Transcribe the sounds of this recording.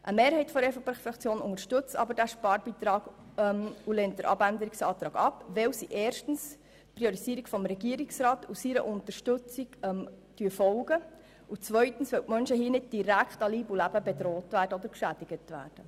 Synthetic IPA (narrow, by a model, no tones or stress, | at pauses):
ʔəmeːɾhɛɪtfɔɾɛfɔpɛχfɾɑkt͡sjoːnʊŋəɾʃtɵt͡sɑ̰bəɾdæʃpɑːɾbiːt̪ɾɑːɡɛmulɛːnt̚d̥əɾʔɑ̰bændəɾiksɑːt̪ɾɑːɡɑpʋɛwsiʔɛːrʃtn̩s | tpɾioɾisiəɾikfɔmɾɛɡiəɾiksɾɑːtusiɾə̰ʔʊnt̪əɾʃtɵt͡siɡɛm | tyːəfɔlɡə | ut͡sʋœʏtn̩sʋɛwtmœnʃəɦiːənɪd̚d̥iɾækχtɑliːbulæbəbedɾoːtvæːɾdəodəɾkʃæd̥iɡ̥ətʋæ̰ːrd̥ə